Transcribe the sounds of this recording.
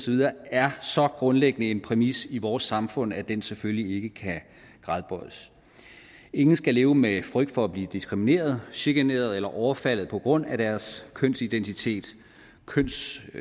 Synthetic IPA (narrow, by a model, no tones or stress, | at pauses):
sɒʋiðˠɐːæɐsɒ̽ɡ̥ʁɔ̽nleɡ̥ənəe̝npʰʁɛmisiʋɒːsːɑ̈mfɔ̽n̰æd̥enseføllie̝ɡ̥əkʰæ | ɡ̥ʁɑ̈ðˠb̥ɒð̥̰ˠəs | e̝ŋn̩sɡ̥æle̝ːʊəmefʁœɡ̥̚d̥fɒ̽æb̥liːd̥isɡ̥ʁimine̝̰ːɐð̞ˠɕiɡ̥æne̝̰ːɐð̞̩ˠelɐʔɒʊɐfæl̰ð̩ˠpʰɒ̽ɡ̥ʁɔ̽n̰æɾ̥æɐskʰøn̰sid̥ent͡sʰit͡sʰe̝̰ːd̥ | kʰøn̰s